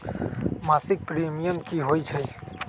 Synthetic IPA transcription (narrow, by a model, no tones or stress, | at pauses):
masɪk̚pɾimijəmkiɦojt͡ʃʰəj